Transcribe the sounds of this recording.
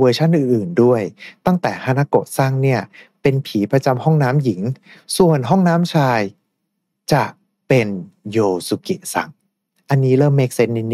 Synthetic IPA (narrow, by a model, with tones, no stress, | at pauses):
wɤː˧t͡ɕʰa˥˩nʔɯː˨˩nʔɯː˨˩ndu˥˩əjt̪a˥˩ŋt̪ɛː˨˩hʰaː˥˩na˦˥ko˨˩t̪̚sa˥˩ŋni˥˩ɐpe˧npʰiː˩˦pɾa˧t͡ɕa˧mhɔ˥˩ŋnaː˦˥mji˩˦ŋsu˨˩ənɦɔ˥˩ŋnaː˦˥mt͡ɕʰaː˧j | t͡ɕa˨˩ | pe˧njoː˧su˧˩ki˨˩sa̰˨˩ŋ | ʔa˧nːiː˦˥lɤː˥˩mːeː˦˥k̚se˦˥n̚ni˧n˧